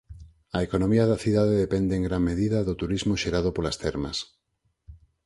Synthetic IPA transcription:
ɐekonõmiɐðɐθiðaðeðepɛnd̪eːŋɡɾaŋmeðiðɐðot̪uɾizmoʃeɾaðopolast̪ɛɾmɐ̰s

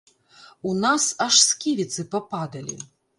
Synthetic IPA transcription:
unasaʂskʲivʲit̪sɨpapad̪ɐlʲḭ

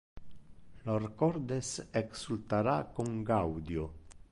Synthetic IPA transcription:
loɾkɔɾd̪eseksult̪aɾakoŋɡawd̪jo

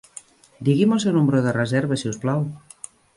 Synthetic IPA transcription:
d̪iɣimosewnumɾoðerezɛɾβesiusplaw

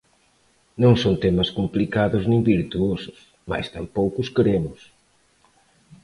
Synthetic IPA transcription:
nõŋsont̪emɐskumplikaðʊznĩŋbiɾt̪uosʊ̥s | ma̰jst̪ampowkʊskeɾemʊs

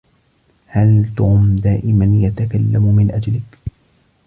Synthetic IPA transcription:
halt̪ʊmd̪aːʔɪmanjat̪akalːammɪnʔad͡ʒalɪk

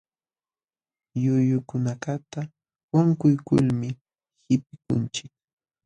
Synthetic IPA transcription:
jʊjʊkʊnakat̪a | waŋkʊjkʊ̰lmɪ | hɪpɪkʊ̰nt͡ʃɪk̚

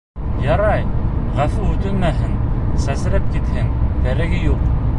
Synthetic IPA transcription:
jɑɾɑjʁæfʉʉt̪ɵnmæɦɘnsæsɘ̆ɾɘp̚kit̪hɘnt̪æɾɘ̆ɡɘjuq

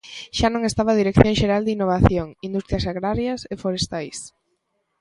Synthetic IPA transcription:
ʃanõŋest̪aβaðiɾekθjõŋʃeɾald̪inːoβ̞aθjoŋind̪ust̪ɾjɐsaɣɾaɾjɐsefoɾest̪ajs

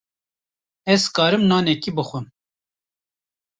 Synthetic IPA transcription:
ɛzkɑːɾɨmnɑːnɛkibɨxʷɨm

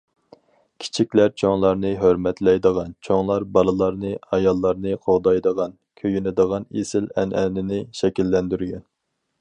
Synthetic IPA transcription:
kʲʰi̥t͡ʃʰikʲlæɾt͡ʃʰoŋlˠɑɾnɨɦøɾmɛt̪lɛjd̪əʁɑnt͡ʃʰoŋlˠɑɾbɑlˠɨlˠɑɾnɨɑjɑlˠːɑɾnɨqʰoʁd̪ɑjd̪əʁɑn | kʲʰøjynɪd̪əʁɑnesɪlɛ̰nɛnɪnɪʃɛkʲilːɛnd̪yɾɡʲɛn

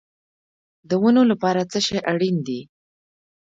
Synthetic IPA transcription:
d̪əwənolapɑɾat͡səʃejʔaɽind̪i

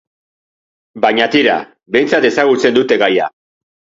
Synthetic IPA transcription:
baɲat̪iɾa̰ | be̞jnt͡sat̪e̞saɣut͡se̞nd̪ut̪e̞ɣaja̰

